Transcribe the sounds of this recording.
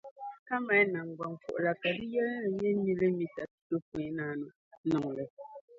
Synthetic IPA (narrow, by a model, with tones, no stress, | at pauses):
ka˦ma˨˦na˨ŋ˨ɡwa˨ŋ˨fo̰˨ʔla˨ka˨di˦jɛ˦˨ɲɛ˦ɲi˦le˦mi˦ta˨tto˦p̚wẽ˨˦naː˦no˨˦ | nɔ˨ŋlɛ˨